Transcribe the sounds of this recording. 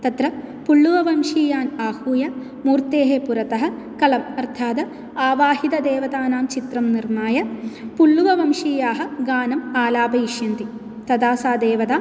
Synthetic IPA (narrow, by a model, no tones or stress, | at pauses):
t̪ɐt̪ɾɐpuɭːuʋɐʋɐmʂiːjaːnaːhuːjɐ | muːɾt̪eːɦepuɾɐt̪ɐɦɐ̆ | kɐlɐmɐɾt̪ʰaːd̪ɐ | aːʋaːɦid̪ɐd̪eːʋɐd̪aːnaːmt͡ʃit̪ɾɐmniɾmaːjɐpuɭːuʋɐʋɐmʂiːjaːɦɐ̆ɡaːnɐmaːlaːbɐiʂjɐnt̪i | t̪ɐd̪aːsaːd̪eːʋɐd̪aː